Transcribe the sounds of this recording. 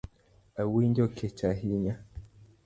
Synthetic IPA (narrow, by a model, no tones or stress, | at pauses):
awindɔkʰɛt͡ʃaɦiɲa